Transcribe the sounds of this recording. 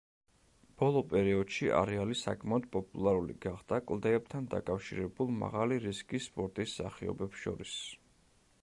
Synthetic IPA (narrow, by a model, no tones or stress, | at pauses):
b̥ɔlˠɔpʼɛɾiɔd̪̥ʃiʔa̰ɾɛalisa̰kʼʰmaɔd̪̚pʼɔpʼulˠaɾulḭɡaχd̪̥akʼlˠd̪ɛɛb̚t̪ʰand̪a̰kʼafʃiɾɛbulˠma̰ʁaliɾiskʼispʼɔɾt̪ʼisːaχiɔ̰bɛpsʃɔ̰ɾis